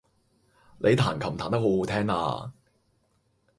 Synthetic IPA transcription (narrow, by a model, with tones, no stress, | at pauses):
le˨˧jt̪ʰaː˨˩nkʰɐ˨˩mt̪ʰaː˨˩nt̪ɐ˥kho˨˥who˨˧˥t̪ʰɛː˥ŋa̰ː˧